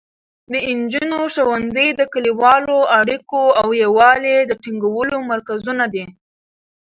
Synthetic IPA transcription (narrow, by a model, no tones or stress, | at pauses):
d̪əɪnd͡ʒunoʃawanzəjd̪əkəliwɑloaɽikoawjawɑled̪əʈiŋɡawəlomaɾkazunad̪i